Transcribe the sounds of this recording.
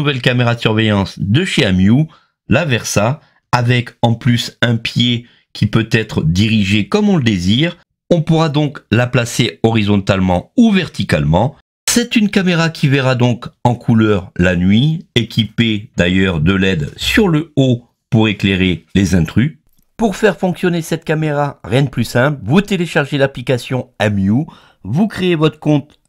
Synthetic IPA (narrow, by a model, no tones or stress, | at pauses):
uvɛlkameʁad̪əsyʁvɛjɑ̃sd̪əʃeamju | lavɛʁsaː | vɛkɑ̃plysɛ̃pje | kʲʰipøt̪ɛt̪χəd̪iʁiʒekɔmɔ̃ləd̪eziːʁ | ɔ̃puʁad̪ɔ̃klaplaseɔʁizɔ̃t̪almɑ̃uvɛʁt̪ikalmɑ̃ | sɛt̪ynkameʁakʲʰivɛʁad̪ɔ̃kɑ̃kʰulœʁlanɥiekʲʰiped̪ajœʁd̪əlɛd̪syʁləo | puʁekleʁelezɛ̃t̪χy | puʁfɛʁfɔ̃ksjɔnesɛt̪kameʁaʁjɛ̃d̪əplysɛ̃plvut̪eleʃaʁʒelaplikasjɔ̃amju | vukχeːvɔt̪χəkɔ̃t̪